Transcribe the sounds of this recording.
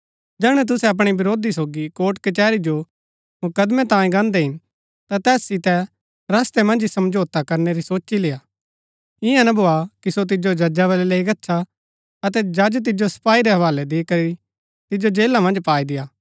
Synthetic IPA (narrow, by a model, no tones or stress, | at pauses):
d͡ʒɛːɽ̃ɛ̃t̪̬ʊsɛɐp̬ɽ̃ibɪɾoːd̪isoːɡikoːʈkɐt͡ʃɛːɾid͡ʒo | mʊkəd̪mɛt̪ãːĩɡãːnd̪ɛɦɪn | t̪ãt̪ɛːsːɪt̪ɛ | ɾɐst̪ɛmɐ̃nd͡ʒisɐmd͡ʒoːt̪akɐɾneɾisoːt͡ʃːilɪːaː | ɪjãnɐbʱoːakisot̪̬ɪd͡ʒod͡ʒɐd͡ʒaʋɐlɛleːiɡɐtːʃʰa | ɐt̪̬ɛd͡ʒad͡ʒt̪̬ɪd͡ʒosɐ̥paːiɾɛɦɐʋaːlɛd̪ikɐɾi | t̪ɪd͡ʒod͡ʒeːlamɐ̃nd͡ʒpaːid̪ɪjaː